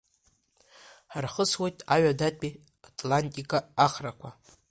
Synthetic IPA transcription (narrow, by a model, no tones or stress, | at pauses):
ħarχəswejtʼaɥadatʼi | atʼlantʼikʼaːχrakʷʰa